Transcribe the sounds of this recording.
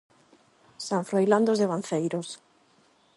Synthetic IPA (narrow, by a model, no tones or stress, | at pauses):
saɱfɾojland̪ozðeβan̟θejɾos